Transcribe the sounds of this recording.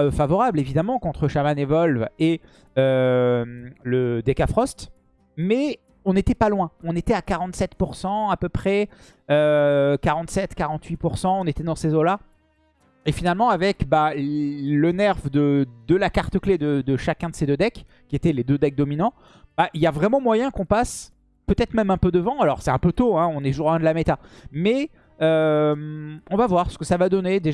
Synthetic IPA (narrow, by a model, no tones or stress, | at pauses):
øfavɔʁablevid̪amɑ̃kɔ̃t̪χəʃamanevɔlve | ømləd̪ekafχɔst̪ | mɛ | ɔ̃net̪ɛpalwɛ̃ɔ̃net̪ɛakaʁɑ̃t̪sɛt̪puʁsɑ̃apøpχɛ | økaʁɑ̃t̪sɛt̪kaʁɑ̃t̪ɥipuʁsɑ̃ɔ̃net̪ɛd̪ɑ̃sezola | efinalmɑ̃avɛkba | lənɛʁvd̪əd̪əlakaʁt̪əkled̪əd̪əʃakʲɛ̃d̪əsed̪ød̪ɛk | kʲːiet̪ɛled̪ød̪ɛk̚d̪ɔminɑ̃ | b̥aʔiljavʁɛmɑ̃mwajɛ̃kɔ̃pas | pøt̪ɛt̪χmɛmɛ̃pød̪əvɑ̃alɔʁsɛt̪ɛ̃pøt̪oɛ̃ɔ̃neʒuʁɛ̃d̪lamet̪amɛ | ømɔ̃vavwaʁsə̥kəsavad̪ɔned̪e